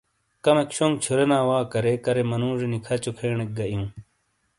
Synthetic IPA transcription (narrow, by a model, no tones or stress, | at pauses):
kɐmekɕoŋɡ̚t͡ɕʰuɾenaːwaːkɐɾekɐɾemɐnũːʐenikʰɐt͡ɕokʰeːɳek̚ɡɐʔjĩː